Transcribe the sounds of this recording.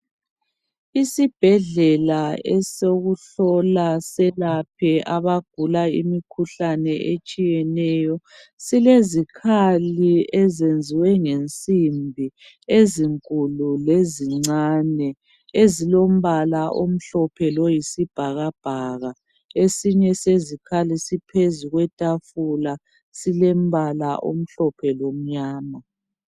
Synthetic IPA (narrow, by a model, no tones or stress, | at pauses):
isib̥ʱɛɮɛlaɛsoɣuɬɔlasɛlapʰɛʔaβaɡ̥ʱulaḭmikʰuɬanɛʔet͡ʃʼijɛnɛjɔ | silezikʰaliɛzend͡zʱiwɛŋent͡sʼimbʱi | eziŋkʼululeziŋ͡ǀanɛ | ezilom̩βalaʔom̩ɬɔpʰɛlojisib̥ʱaɣab̥ʱaɣa | esiɲɛsezikʰalisipʰezuɣwɛtʼafula | silem̩βalaʔo̰m̩ɬɔpʰɛlom̩ɲaːma